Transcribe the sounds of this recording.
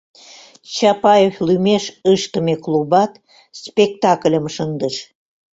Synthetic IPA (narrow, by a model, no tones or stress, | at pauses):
t͡ɕɑpɑjeflymeʃəʃt̪ə̆meklubɑt̪ | spʲekt̪ɑklʲə̆mʃənd̪əʃ